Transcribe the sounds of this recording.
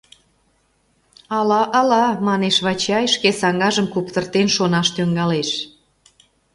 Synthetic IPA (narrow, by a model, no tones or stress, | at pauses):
ɑlɑʔɑlɑmɑneʃβɑt͡ɕɑjʃkesɑŋɡɑʒəmkupt̪ərt̪enʃonɑʃt̪øŋɡɑleʃ